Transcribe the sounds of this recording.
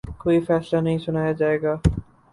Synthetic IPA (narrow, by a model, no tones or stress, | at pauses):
koːifɛːslanɐɦĩsʊnaːjad͡ʒaːeːɡaː